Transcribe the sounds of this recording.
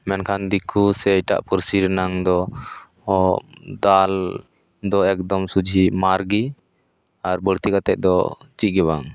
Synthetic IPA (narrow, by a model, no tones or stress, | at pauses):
mɛnkʰand̪ikʰusɛʈa̰ʔpuɾsiɾnaŋd̪ɔ | d̪al | d̪ɔɛk̚d̪ɔmsud͡ʒʱimaɾɡi | aɾbəɽt̪ikat̪ɛʔ̚d̪ɔt͡ʃit̚ɡɛbaŋ